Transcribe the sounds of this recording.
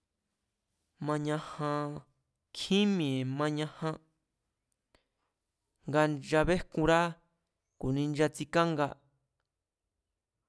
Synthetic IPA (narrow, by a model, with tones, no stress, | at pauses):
mã˧ɲã˧hã˧ | kʰĩ˦mĩ˨e˨mã˧ɲã˧hã˧ | ŋɡa˧nd͡ʒa˧βe˦kũ˧ɾa˦ | ku˨nĩ˧nd͡ʒa˧t͡si˧ka˦ŋɡa˧